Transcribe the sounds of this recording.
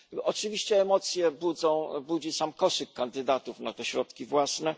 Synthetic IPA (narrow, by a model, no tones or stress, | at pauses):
ɔt͡ʂɨvʲiɕt͡ɕɛːmɔt̪sʲjɛbud̪zɔ̃w̃bud͡ʑisamkɔʂɘkːand̪ɘd̪at̪ufnat̪ɛɕɾɔt̪kʲivwasnɛ